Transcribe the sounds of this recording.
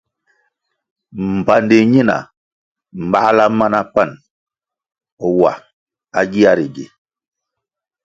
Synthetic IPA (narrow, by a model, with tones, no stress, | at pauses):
m̩˨pa˨ndi˨ɲi˦na̰˨ | m̩˨ba˦la˦ma˦na˦pa˦˨n | ɔ˨wa̰˨ | a˦ɡi˦a˦ɾi˨ɡḭ˨